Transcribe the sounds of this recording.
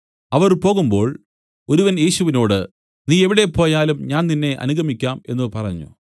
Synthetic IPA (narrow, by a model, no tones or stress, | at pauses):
ɐʋɐrpo̞ːɣumbo̞ːɭ | o̞ɾuʋɐnje̞ːɕuʋino̞ːɽɨ | niːe̞ʋiɽe̞po̞ːjaːlumɲaːnninːe̞ʔɐ̰nuɣʱɐmikʲːaːme̞̰nːɨpɐrɐɲːṵ